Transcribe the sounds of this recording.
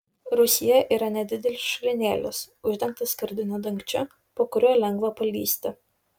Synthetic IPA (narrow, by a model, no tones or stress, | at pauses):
ɾʊsʲɪjɛʔiːɾɐnʲɛd̪ʲɪd̪ʲɛlʲɪsʃʊlʲɪnʲeːlʲɪs | ʊʒʲd̪ʲɛŋk̚t̪ɐsʲkɐɾʲd̪ʲɪnʲod̪ɐŋʲkt͡ʃʲʊ | poːkʊɾʲoːlʲɛŋɡʋɐpɐlʲiːsʲt̪ʲɪ